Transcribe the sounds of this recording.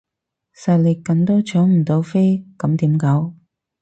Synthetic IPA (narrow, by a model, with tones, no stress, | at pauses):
sɐ˨lɪ˨˩kkːɐ˨nt̪o˥wt͡ʃʰœː˨˥ŋm̩˨˩t̪o˨˧˥wfe˥jkɐ˨˥mt̪iː˨˥mkɐ˨˥w